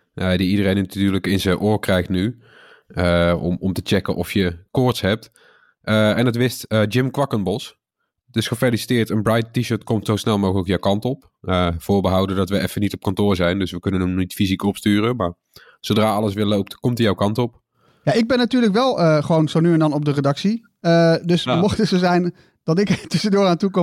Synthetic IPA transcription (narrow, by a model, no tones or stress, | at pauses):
nadiidərejnttyːɹləkɪnzəʔoːɹkrɛjxtny | əɔ̰mɔmtət͡ʃɛkənʔɔfjəkʊɹtsɦɛp̚t | əɛndɑtʋɪstəd͡ʒɪmkʋɑkənbɔs | dɪsχəfelisi̥tɪːɹtənbrajttːiʃəːɹtkɔmtsowsnɛlˠmowɣələkjawkɑntɔp | əv̥ʊːɹbəɦʌwdəndɑtʋəʔɛfənitɔp̚kɑntʊːɹzɛjndɵsʋəkɵnənəmnitfizikɔpstyːrəmaːɹ | zowdraːɑləsʋɪːɹlowp̚tkɔmtəjawkɑntɔp | jaɪɡ̚bɛnːatyːɹləkʋɛlˠəχəʋownzonyɛndɑnɔp̚dərədɑksi | ədɵsmɔχtəsozɛjn | d̥ɑtɪktɵsəndʊːraːntukɔ